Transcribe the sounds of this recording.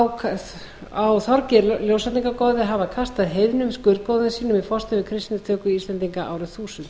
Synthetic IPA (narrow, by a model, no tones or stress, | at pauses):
wkʰ | awθɔɾcɪɾljoːwsat̪niŋkakɔːðɪɦaːvakʰast̪aðɦeːjvnʏmskʏɾkoːwðʏnsiːnʏmifɔrst̪ɪvɪkʰɾɪst̪inɪt̪ʰœːkʏist̪lɛnt̪iŋkaʔaːwɾʏθuːsʏnt̪